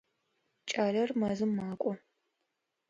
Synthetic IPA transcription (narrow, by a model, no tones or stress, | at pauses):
t͡ʃʼaːlɐrmɐzɨmːaːkʷʼɔ